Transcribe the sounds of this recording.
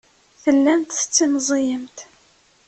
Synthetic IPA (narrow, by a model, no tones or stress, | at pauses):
θəlːænt̪θə̥t͡sːinzˤijəmt̪